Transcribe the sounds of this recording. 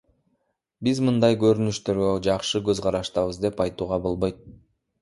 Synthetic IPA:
bizmɯnd̪ɑjɡø̞ɾynyʃt̪ø̞ɾɡød͡ʒɑqʃɯɡøzʁɑɾɑʃt̪ɑβɯzd̪e̞pɑjt̪uːʁɑbo̞lˠbojt̪̚

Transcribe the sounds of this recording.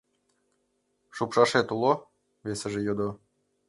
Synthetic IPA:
ʃupʃɑʃet̪ulˠo | βesə̆ʒĕjod̪o

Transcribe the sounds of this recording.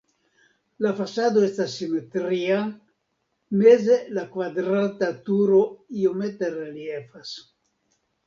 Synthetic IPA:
lafasad̪oest̪asːimet̪ɾia | mezelakvad̪ɾat̪at̪uɾoiomet̪ereljefas

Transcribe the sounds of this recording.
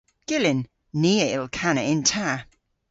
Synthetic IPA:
ɡ̥ɪlɪnː | iːəɪlˠkʰanəɪntʰa

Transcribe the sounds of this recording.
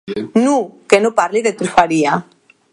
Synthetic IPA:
nũkenopaɾliðet̪ufaɾia

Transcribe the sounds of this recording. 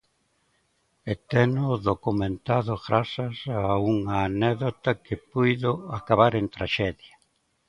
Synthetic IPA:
et̪enʊðokumẽnt̪aðʊɣɾasasauŋaːnɛðot̪akɪpujðʊakaβaɾent̪ɾaʃɛðja

